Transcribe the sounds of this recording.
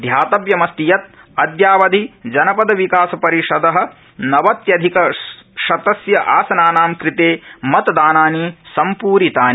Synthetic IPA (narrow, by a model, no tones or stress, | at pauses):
d̪ʱjaːt̪ɐʋjɐmɐst̪ijɐt̪̚ | ɐd̪jaːʋɐd̪ʱid͡ʒɐnɐpɐd̪ɐʋikaːsɐpɐɾiʃɐd̪ɐɦɐ̆ | nɐʋɐt̪jɐd̪ʱikɐʃɐt̪ɐsjɐʔaːsɐnaːnaːmkɾit̪eːmɐt̪ɐd̪aːnaːnisɐmpuːɾit̪aːn